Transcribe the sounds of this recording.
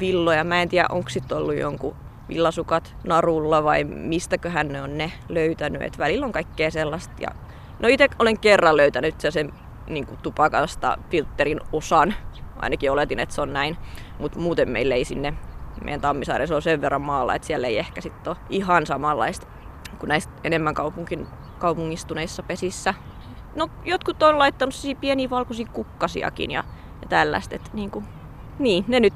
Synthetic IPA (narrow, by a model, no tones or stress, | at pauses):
ʋilːojɑmæent̪iæ̰ʔʔoŋkssit̪ːolːujo̰ŋkṵ | ʋḭlːɑsukɑt̪nɑrulːɑʋɑimist̪ækøhænneonneløyt̪ænyḛt̪ʋælilːoŋkɑikːeːselːɑst̪jɑ̰ | noit̪ekoleŋkerːɑlløyt̪ænyt̪sæsem | niːŋkut̪upɑkɑst̪ɑ̰filt̪ːerinosɑnɑ̰inɑkiolet̪inḛt̪seonnæinmut̪muːt̪emmḛileisinːemḛjænt̪ɑmːisɑiresolseʋʋerːɑmmɑːlːɑ̰ḛt̪siælːeiehkæsit̪ːoihɑnsɑmɑlːɑ̰ist̪ | kunæist̪ḛnemːæŋkɑupuŋkin | kɑupuŋːist̪uneisːɑpesisːæ | nojot̪kut̪ːonlɑit̪ːɑnusiiːpieniːʋɑlkosiːkukːɑsḭɑ̰kḭnjɑ̰ | jɑt̪ælːæ̰st̪et̪niːŋku | niːnenyt̪